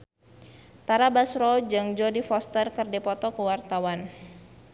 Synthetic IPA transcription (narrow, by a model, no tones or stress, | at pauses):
t̪aɾabasɾɔd͡ʒaŋd͡ʒɔdifɔst̪ərkərdepɔt̪ɔkəwart̪awan